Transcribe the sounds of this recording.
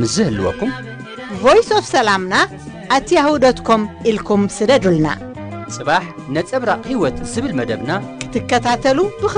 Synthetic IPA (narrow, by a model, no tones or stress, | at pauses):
mɨzɨhɨluwɔ̰kːum | vojsofsɐlamna | ʔːt̪ʰijahud̪ɐt̪kʰomʔilkʰumsɨd̪ɐd̪ulna̰ | t͡sʼɨβaħ | nɐt͡sʼɐβɾaqʼhiwɔt̪zɨβɨlmɐd̪ɐβnakʰɨ̥t̪ʰɨkːɐt̪ʰat̪ʰɐlubɨx